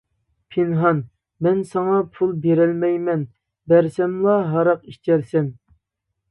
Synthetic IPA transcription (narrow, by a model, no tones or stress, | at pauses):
pʰenɦɑn | mɛnsɑŋɑpʰulˠbeɾɛlmɛjmɛn | bæɾsɛmlˠɑɦɑɾɑqiʃt͡ʃ̪ɛɾsɛn